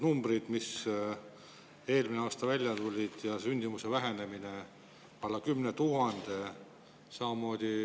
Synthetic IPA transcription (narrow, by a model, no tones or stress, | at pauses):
numbrid̪̥mis | e̞ːlmineɑːst̪ɑvælʲjɑt̪ulʲid̪̥jɑsynʲd̪̥imuse̞væɦe̞ne̞mine̞ | ɑlːɑkymnet̪uɦɑnd̪̥e̞ | sɑmɑmoːd̪̥ʲi